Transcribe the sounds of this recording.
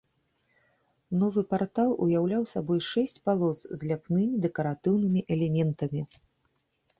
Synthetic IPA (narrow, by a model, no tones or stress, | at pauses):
nɔvɨpart̪alˠṵjawlʲawsabɔjʂɛsʲt͡sʲpalˠɔt̪szʲlʲapnɨmʲid̪ɛkɐɾat̪ɨwnɨmʲiʔɛlʲɛmʲɛnt̪ɐmʲi